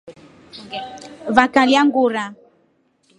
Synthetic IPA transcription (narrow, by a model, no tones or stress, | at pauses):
vakaliaŋɡuɾa